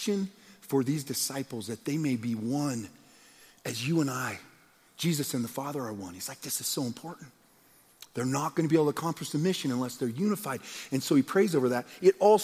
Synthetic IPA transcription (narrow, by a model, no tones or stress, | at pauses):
ʃɨ̃nfə˞ðizdɨsaɪpl̩ˠzðɨt̪̚ðeɪmeɪbiwʌ̃n | ɨzjɨə̃naɪ̥ | d͡ʒizɨsɨ̃nðəfɑðə˞ə˞wʌ̃niz̥laɪk̚ðɪsɨz̥soʊə̃mpʰɔɹʔn̩t | ðə˞nət̚ɡ̥ʌñɨbiebl̩ˠtʰɨkʰɑ̃mpʰɹɨsɨmɪʃɨ̃nə̃nlɛsðə˞jʉnɨfaɪɾɨ̃nsoʊipʰɹ̥eɪzoʊvə˞ðɨɾɨɾɔlˠ